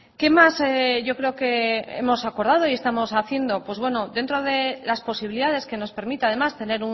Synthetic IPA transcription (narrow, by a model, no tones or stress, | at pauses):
ke̞maseʝo̞kɾe̞oke̞e̞̰mo̞sako̞ɾð̞að̞o̞ie̞st̪amo̞saθje̞nd̪o̞pwe̞zβwe̞no̞d̪e̞nt̪ɾo̞ð̞e̞laspo̞siβiliðaðe̞ske̞no̞spe̞ɾmit̪eaðe̞mast̪e̞ne̞ɾu